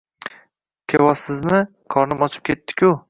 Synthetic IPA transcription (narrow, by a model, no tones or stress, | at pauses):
kʲʰewɒsɪzmɪ | kʰɒɾnɪmɒt͡ʃʰɪ̥p̚kʲʰe̞t̪ːɪ̥kʲʰʊ